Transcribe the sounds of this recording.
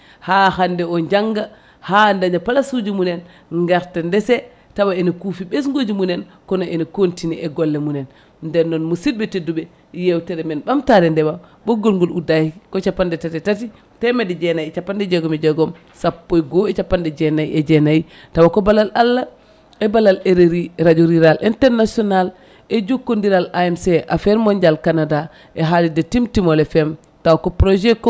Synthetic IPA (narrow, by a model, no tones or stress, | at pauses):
hahandɛɔɲd͡ʒaŋɡa | handaɲapalasud͡ʒumunɛn | ŋɡaɾtandɛsɛ | tawaɛnokufiɓesŋɡod͡ʒumunɛn | kɔnɔʔɛnokontiniʔɛɡɔlːɛmunɛn | ndɛnːɔnmusid̚bɛteduɓɛ | jewtɛɾɛmɛnɓamtaɾɛndɛbaɓɔɡɔlŋɡuludahikɔt͡ʃapːandɛtatitati | tɛmɛdɛd͡ʒɛnajiɛt͡ʃapːandɛd͡ʒɛɡɔmɛd͡ʒɛɡɔm | sapːojɡɔɛt͡ʃapːandɛd͡ʒɛnaiʔɛd͡ʒɛnaji | tawakɔbalalalːa | ɛbalaleɾeɾiɾad͡ʒuɾiɾalʔɛntɛɾnasɔnal | ɛd͡ʒukːundiɾalaɛmsɛʔafɛɾmɔɲd͡ʒalkanada | ʔɛɦalidɛtimtimɔlɛfɛm | tawakɔpɾɔd͡ʒɛkɔ